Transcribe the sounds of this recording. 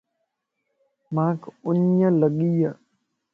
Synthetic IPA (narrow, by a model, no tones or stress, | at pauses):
mãːkʊɲələɠijə